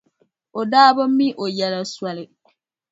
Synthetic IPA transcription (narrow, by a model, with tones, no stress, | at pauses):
o˨daː˦bɔ˦m̩˦mĩ˦ʔo˨ja˨la˨swa˨lɪ˨